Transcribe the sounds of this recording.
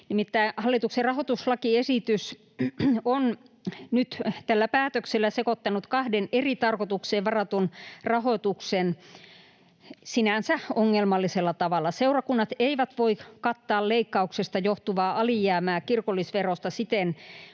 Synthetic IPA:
nimit̪ːæihɑlːˑit̪ukserɑhot̪uslɑkiesit̪ys | on | nyt̪t̪ælːæpæːt̪økselːæsekot̪ːɑnut̪kɑhdenerit̪ɑrkot̪ukseːʋʋɑrɑt̪unrɑhot̪uksen | sinænsæoŋːelmɑlːiselːɑt̪ɑʋɑlːˑɑseurɑkunːɑt̪eiʋæt̪ʋoikɑt̪ːɑːlleikːɑuksest̪ɑjoht̪uʋɑːʔɑlijæːmæːkirkolːˑisʋerost̪ɑsit̪en

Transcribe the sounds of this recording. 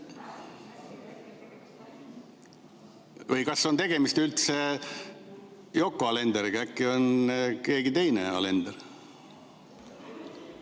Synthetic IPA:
vəjkɑsːo̞nt̪e̞ɡ̥e̞mist̪ylt̪se | jo̞kːˑoɑle̞nd̪̥eɾiɡ̥ɑækːio̞nke̞ːɡit̪e̞jnḛɑ̰le̞nd̪̥eɾ

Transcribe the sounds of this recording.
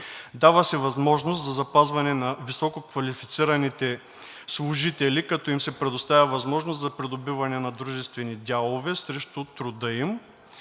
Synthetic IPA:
d̪avəsɛvɐzmɔʒnost̪zɐzɐpazvɐnɛnɐvisɔkokvɐlifit̪siɾɐnit̪ɛ | slˠʊʒit̪ɛlikɐt̪ɔimsɛpɾɛd̪ʊst̪avʲɐvɐzmɔʒnost̪zɐpɾɛd̪ʊbivɐnɛnɐd̪ɾuʒɛst̪vɛnid̪ʲalˠovɛsɾɛʃt̪ʊt̪ɾʊd̪ɤim

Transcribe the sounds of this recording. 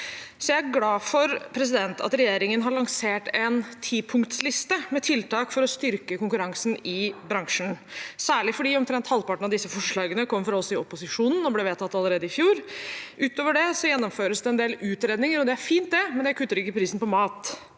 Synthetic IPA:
sɔjææɾɡlɑːfɔɾpʰɾɛs̬ɪd̪ɛnt̪ɑ̰t̪ɾɛjeːɾɪŋənɦɑɭɑŋseːʈɛnt̪ʰiːpʰʊŋkt̪slɪst̪əmɛt̪ʰɪlt̪ɑːkfɔɾɔst̪ʏɾkəkʊŋkʉɾɑŋsnɪbɾɑŋʂn̩sæːɭɪfɔɖiːɔmt̪ʰɾɛnt̪hɑlpɑʈɳ̩ɑʋd̪ɪsːəfɔʂɭɑːɡənəkɔmːfɾɔlsɔɪɔpʊsɪʂuːnn̩ɔblɛʋeːt̪ʰːɑt̪ːɑlːəɾeːd̪əɪfjuːɾʔʉːt̪oːʋəɖɛsɔjɛnːɔmføːɾəsd̪ɛɛnd̪eːlʉːt̪ɾeːd̪nɪŋəɾɔd̪ɛæɾfiːnt̪̚d̪ɛmɛnd̪ækʰʉt̪ːəɾɪkːəpʰɾiːsn̩pɔmɑːt̪

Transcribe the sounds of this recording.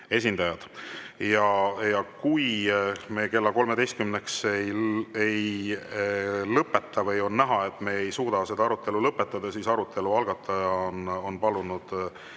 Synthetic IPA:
e̞s̬ʲind̪̥ɑjɑd̪̥jɑjɑkujme̞ːke̞lːɑko̞lme̞d̪e̞jst̪kymne̞ksejej | lɤpːˑe̞t̪ːˑɑvɤjo̞nnæɦɑe̞t̪ːˑme̞ːejsuːd̪̥ɑse̞d̪ɑɑɾut̪ːˑe̞lulɤpːˑe̞t̪ːˑɑd̪̥ɑsisɑɾut̪ʰːˑe̞luɑlɡ̥ɑt̪ʰːˑɑjɑono̞npɑlunud̪̥

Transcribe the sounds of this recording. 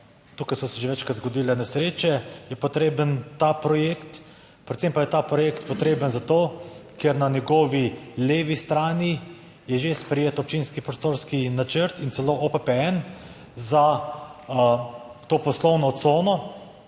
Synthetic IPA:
t̪uːkajsɔsɛʒeʋɛːt͡ʃkɾat̪zɡɔd̪iːlɛnɛsɾeːt͡ʃɛjɛpɔt̪ɾeːbənt̪apɾɔjekt̪ | pɾɛt̪sɛmpajɛt̪aːpɾɔjeːkt̪pɔt̪ɾeːbənzat̪oːkeɾnanjɛɡoːʋileːʋist̪ɾaːni | jɛʒespɾɛjeːt̪ɔp̚t͡ʃiːnskipɾɔst̪oːɾskinat͡ʃəɾt̪int̪sɛloʔopɛpɛɛn | za | t̪oːpɔslɔwnɔt̪soːnɔ

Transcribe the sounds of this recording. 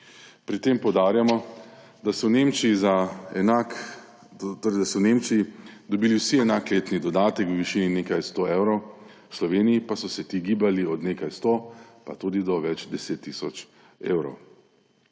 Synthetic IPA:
pɾit̪eːmpɔwd̪aːɾjamɔ | d̪asɔwneːmt͡ʃiizaɛnak | t̪oːɾɛjd̪asɔwneːmt͡ʃijid̪ɔbiːliwsiɛnaːkleːt̪nid̪ɔd̪aːt̪ɛkwʋiʃiːninekajst̪oːewɾɔw | slɔʋeːnijipasɔsɛt̪iɡiːbaliɔd̪neːkajst̪opa̰t̪uːd̪id̪ɔʋɛd͡ʒd̪ɛseːt̪ːiːsɔt͡ʃ | ḛːwɾɔ̰w

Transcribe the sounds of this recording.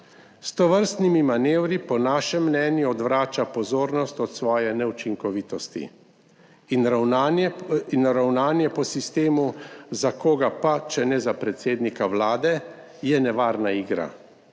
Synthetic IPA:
st̪ɔʋəɾst̪nimimaneːwɾipɔnaːʃɛmːnɛːnjiɔd̪ʋɾaːt͡ʃapɔzoːɾnɔst̪ɔt̪sʋɔːjɛnɛut͡ʃiŋkɔʋiːt̪ɔst̪ḭ | inɾaw | inɾawnaːnjɛpɔsist̪eːmuzakoːɡapat͡ʃɛnɛzapɾɛt̪seːd̪nikawlaːd̪ɛ | jɛnɛʋaːɾnaiːɡɾa̰

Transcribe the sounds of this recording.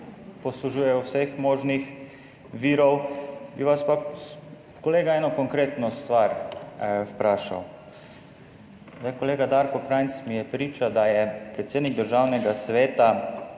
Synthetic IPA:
pɔsluʒuːjɛjɔwsɛxmɔːʒnix | ʋiːɾɔwbiʋaspa | kɔleːɡaɛːnɔkɔŋkɾeːt̪nɔst̪ʋaɾ | wpɾaːʃa̰w | zd̪ajkɔleːɡad̪aɾkɔkɾajnt̪smijɛpɾiːt͡ʃad̪ajɛpɾɛt̪seːd̪niɡ̚d̪əɾʒaːwnɛɡasʋeːt̪a

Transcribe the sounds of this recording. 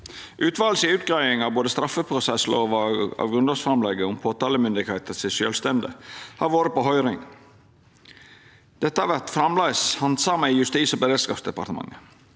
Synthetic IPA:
ʔʉːt̪ʰʋɑːlsəʉːt̪̚ɡɾæɪɪŋɑʋboːd̪əst̪ɾɑfəpʰɾʊsɛsloːʋɑ̰ːʋɡɾʉnɑsfɾɑmlɛɡəʊmpʰoːt̪ɑːləmʏnd̪ɪkheːt̪əsɪʃøːlst̪ɛnd̪ə̰hɑɾʋoːɾəpɔɦœʏɾɪŋ | d̪̥ɛt̪ːəhɑɾʋæɾt̪fɾɑmlæɪshɑnd̪sɑːməjʉst̪iːsɔbəɾeːd̪skɑːpsd̪ɛpɑ̰ɾt̪əmɑ̰ŋːə

